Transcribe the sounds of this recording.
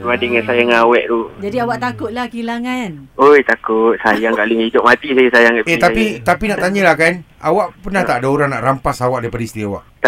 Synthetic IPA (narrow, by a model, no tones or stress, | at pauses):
uadəŋansajaŋawɛʔt̪ud͡ʒadiawaʔt̪akʊt̪̚lahkilaŋanojt̪akʊt̪̚sajaŋkaʔliŋidʊp̚mat̪isajsajaŋkaet̪apit̪apinaʔt̪aɲəlahkan | a̰waʔpənaht̪aʔadaoɾaŋnaʔrampasawaʔ̚daipadaist̪iawaʔt̪